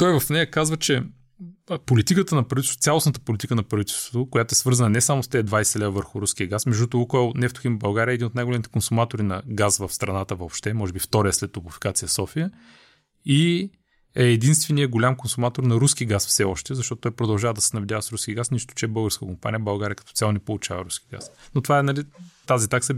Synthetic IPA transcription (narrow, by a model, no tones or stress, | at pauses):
t̪ɔjvɐfnɛjəkazvət͡ʃɛ | polit̪ikət̪ənɐpɾɐvit̪ɛst̪t̪sʲalˠosnət̪ə̥polʲit̪ikənɐpɾɐvit̪ɛlˠst̪vot̪ʊkojat̪ʊɛsvɤɾzənɐnɛsamʊst̪ɛɛd̪vajsɛlɛbəvəɾxʊɾusk̟iəɡasmɛʒd̪ut̪ʊukəlˠnɛft̪ʊ̥ximbɐlˠɡaɾʲiəɛːd̪inot̪najɡʊlɛmit̪ɛ̥konsʊmat̪oɾinɐɡasvəfst̪ɾɐnat̪əvopʃt̪ɛmɔʒɛbift̪ɔɾəəslɛt̪ːopʊfi̥kat̪sijəsɔfijə | i | ɛːd̪inst̪vɛnijəɡolʲamkonsʊmat̪oɾnɐɾuskiɡasfsɛɔʃt̪ɛzɐʃt̪ɔt̪ot̪ɔjpɾod̪ɐlˠʒavəd̪ɐsɛnɐvɛd̪javəsɾuskʲiəɡasniʃt̪ʊ̥t͡ʃɛɛbɤlˠɡəɾskətkompanʲijəbɐlˠɡaɾʲiəkɐ̥t̪ɔ̥t̪sʲalˠnɛpolˠʊt͡ʃavə̰ɾuski̥ɡa̰snot̪ovaɛnɐlit̪azit̪aksə